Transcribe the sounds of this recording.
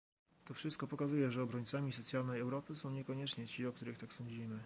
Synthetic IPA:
t̪ɔfʂɘst̪kɔpɔkazujɛʐɛɔbɾɔɲt̪samʲisɔt̪sʲjalnɛjɛwɾɔpɘsɔ̃w̃ɲɛkɔɲɛt͡ʂɲɛt͡ɕiɔk̚t̪uɾɘxt̪aksɔ̃ɲd͡ʑimɘ

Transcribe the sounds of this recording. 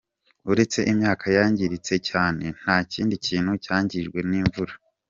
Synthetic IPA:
uɾe̞t͡se̞ʔimɲaːkʰajaːɲɟiɾit͡se̞caːne̞n̥haːciːndiciːnhucaːɲɟiʒɡwe̞niːɱvuɾa

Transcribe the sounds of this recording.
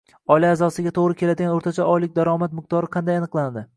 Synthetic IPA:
ɒjlaːzɒsɪɡʲat̪ʰoʁɾɪkʲʰe̞lad̪ɪɡʲanoɾt̪ʰat͡ʃʰaɒjlɪk̚ʲd̪aɾɒmat̪̚mɪq̚t̪ʰɒɾɨqʰɑnd̪ajanɨqlˠand̪ɪ

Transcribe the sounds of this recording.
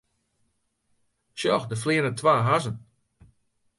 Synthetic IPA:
ʃjɔxdəflɪənətʰwaːɦazən

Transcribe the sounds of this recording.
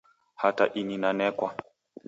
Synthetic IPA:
hata̰ʔininanɛkwa

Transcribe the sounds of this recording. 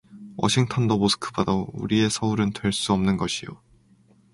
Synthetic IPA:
wʌ̰ɕʰiŋtʰʌndomosʰɯ̥kʰɯbadʌuɾie̞sʰʌuɾɯntwe̞ɭs͈uʌmnɯnɡʌɕʰijo̰

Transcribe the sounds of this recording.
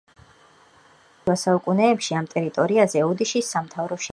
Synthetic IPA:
vasaukʼunɛːpʃiamt̪ʼɛɾit̪ʼɔɾiazɛɔd̪iʃisːamt̪ʰavɾɔʃ

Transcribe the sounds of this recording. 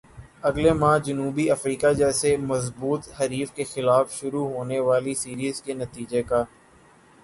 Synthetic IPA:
ɐɡlemãːd͡ʒɐnuːbiɐfɾiːkad͡ʒɛːsemɐzbuːt̪ɦɐɾiːfkexɪlaːfʃʊɾuɦoːneʋaːlisiːɾiːzkenɐt̪iːd͡ʒekaː

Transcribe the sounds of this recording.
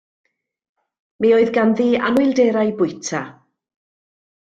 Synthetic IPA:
mioːɨðɡanðiːa̰nwʊɨlˠdeːɾajbʊjtʰa

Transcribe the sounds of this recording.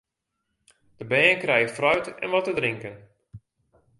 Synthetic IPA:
d̥əbɛːnkrɛjəfrœɥtɛ̰nʋɔtədrɪŋkən

